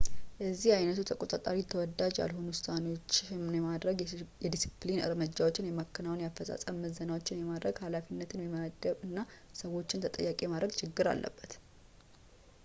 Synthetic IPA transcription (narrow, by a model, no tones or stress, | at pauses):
jɛzːihajnət̪ʰut̪ʰəkʼo̞t̪ʼat̪ʼaɾit̪ʰːəwɔd̪ːad͡ʒja̰lho̞nuʊsanewo̞t͡ʃːjɛmad̪ɾəɡjɛd̪isiplinɨ̰ɾmɨd͡ʒːawo̞t͡ʃːɪnjɛmakːɨnawnjafəsʼa̰sʼəmːəzənawot͡ʃːɪnjɛmad̪ɾəɡhalafinːət̪ʰɨnmiməɡəβɨnːasəwo̞t͡ʃːɪnt̪ʰət̪ʼə̰jːakʼemad̪ɾəɡt͡ʃʰɪɡːɨɾa̰lːʔə̰bːət̪